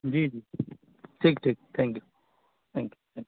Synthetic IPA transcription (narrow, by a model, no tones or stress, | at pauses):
d͡ʒiːd͡ʒiː | ʈʰiːkʈʰiːk̚t̪ʰɛ̃ŋkju | t̪ʰɛ̃ŋkju̥t̪ʰɛ̃ŋk